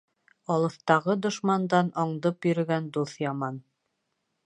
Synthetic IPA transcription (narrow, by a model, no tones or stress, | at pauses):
ɑlˠɤ̆θt̪ɑʁɤd̪ŏʃmɑnd̪ɑnɑɴd̪ɤpjɵ̆ɾɵ̆ɡænd̪uθjɑmɑn